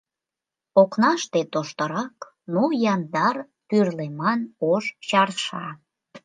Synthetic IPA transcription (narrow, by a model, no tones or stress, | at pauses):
oknɑʃt̪et̪oʃt̪əɾɑk | nojɑnd̪ɑr | pyrlemɑnoʃt͡ɕɑrʃɑ